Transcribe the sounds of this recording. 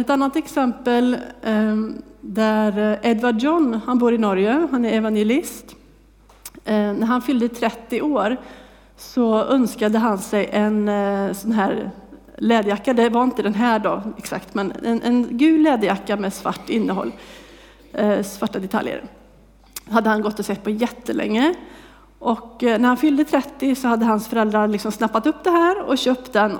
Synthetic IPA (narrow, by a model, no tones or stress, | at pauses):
ɛt̪anːat̪ɛksɛmpəl | d̪æɾɛd̪vaɖjɔnːhanbuːɾɪnɔɾjəɦanæɾɛvanjɛlɪst̪ | næɾhanfʏld̪ət̪ʰɾɛt̪ːɪʔoːɾ | sɔœnskad̪əɦansɛjʔɛnsɔnɦæːɾ | lɛːd̪əjakːad̪ɛvaɾɪnt̪əd̪ɛnɦæːɖɑ̰ːɛksa̰kt̪mɛnɛ̰nʔɛ̰nɡʉ̟ːd̪lɛːd̪əjakːamɛsva̰ʈːɪnːəɦɔ̰lː | svaʈːad̪ɛt̪ʰa̰ljə̰ɾ | had̪ːəhanɡɔt̪ːɔsɛt̪̚ːpʰɔjɛt̪ʰːəlʔɛ̰ŋːə | ʔɔknæɾhanfʏld̪ət̪ʰɾɛt̪ːɪsɔhad̪ːəɦansfœɾɛld̪ɾalɪksɔmsnapːat̪ɵpːd̪ɛɦæːɾɔ̰ɕøːp̚t̪̚d̪ɛn